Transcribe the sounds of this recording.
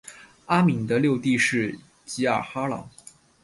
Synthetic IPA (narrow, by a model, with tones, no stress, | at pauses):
a˥mi˨˩ŋd̪ə˦ljo˥˧ʊt̪i˥˧ʂɻ̩˥˩ | t͡ɕi˧˥a̰˥˨˩xa˥lɑ̰˨˩˥ŋ